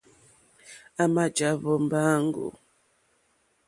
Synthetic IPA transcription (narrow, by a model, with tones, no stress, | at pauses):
a˦ma˦d͡ʒa˨˦βɔ˦m̩˦baː˦ŋ˦ɡo̰˨